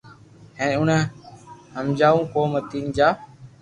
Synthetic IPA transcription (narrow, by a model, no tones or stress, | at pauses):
hɛ̃ːʊn | həmd͡ʒaːʋũːkoːmət̪iːnd͡ʒaː